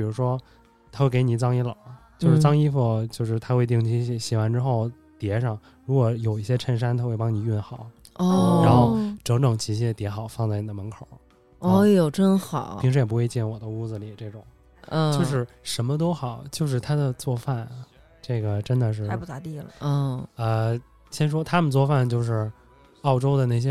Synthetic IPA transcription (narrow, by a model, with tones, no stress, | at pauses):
pi˨˩ɻu˧˥ʂwɔ˥ | t̪ʰa˥xwe˥˩ɪke˧˥ɪni˨˩t͡sɑ˥ŋi˥lɑ̰˨˩˦t͡ɕjo˥ʊʂɻ̩˥˩˧t͡sɑ˥ŋi˥fu˥˧t͡ɕjo˥˧ʊʂɻ̩˥˩t̪ʰa˥xwe˥˧ɪt̪̬i˥˩ŋt͡ɕʰi˧˥ɕɛ˧˥˩ɕi˨˩wa˧˥nʈ͡ʂɻ̩˥xo˥˩ʊ | t̪jɛ˧˥ʂɑ˥˩ŋ | ɻu˧˥kwɔ˧˩˥jo˨˩ʊi˥˩ɕjɛ˥ʈ͡ʂʰə˧˥nʂ̬a˥nt̪ʰa˥xwe˥˩ɪpɑ˥ŋni˨˩y˥˩nxɑ˨˩˦ʊ | ɔ˥˧ɻa˧˥nxo˥˩ʊʈ͡ʂɤ˧˥ŋʈ͡ʂʊ˨˩ŋt͡ɕʰi˧˥ɕ̬jɛ˥t̪jɛ˧˥xɑ˨˩˦ʊfɑ˥˧ŋt͡sa˥˩ɪni˨˩d̪ə˦mə˧˥nkʰo˨˩˦ | ɔ˥˩jo˨˩ʊʈ͡ʂə˥˩nxɑ˨˩˦i˧˥ŋʂɻ̩˥jɛ˨˩p̬u˧xwe˥˧ɪt͡ɕjɛ˥˩nwɔ˨˩d̪ə˦u˥˩d͡zɹ̩˩li˨˩ʈ͡ʂɤ˥˩ʈ͡ʂʊ˨˩˦ŋ̩˥˧˩ | jo˥˧ʊʂ̬ɻ̩˥˩ | ʂə˧˥nmə˧t̪̬o˥ʊxɑ˨˩˦ʊt͡ɕjo˥˧ʊʂ̬ɻ̩˥˧t̪ʰa˥d̪ə˨t͡swɔ˥˧fa˥˩n | ʈ͡ʂɤ˥˩ɡə˩ʈ͡ʂə˥nd̪ə˨ʂ̬ɻ̩˥˩˧pu˥˩t̪a̰˧˥t̪i˥˩lə̰˩˥˩ə˧ | ɕjɛ˥nʂ̬wɔ˥t̪ʰa˥mə˨nt͡swɔ˥˧fa˥˩nt͡ɕjo˥˧ʊʂ̬ɻ̩˥˩ | ɑ˥˩ʊʈ͡ʂo˥ʊd̪ə˨ne˥˩ɪɕ̬jɛ˥